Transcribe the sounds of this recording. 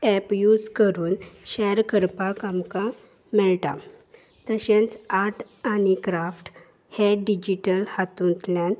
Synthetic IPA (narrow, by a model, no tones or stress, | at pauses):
ɛpjud͡zkəɾuːnɕɛɾkəɾpakamka | mɛɭʈa̰ | t̪əɕẽnt͡saɾʈ | anikɾafʈ | heɖid͡ʑiʈəlhat̪ũnt̪ljãn